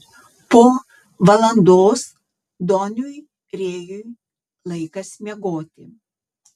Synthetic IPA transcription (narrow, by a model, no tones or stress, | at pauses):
poː | ʋɐlˠɐnd̪oːs | d̪ɔnʲuj | ɾʲeːjuj | lˠɐɪkɐsʲmʲɛɡoːt̪ʲɪ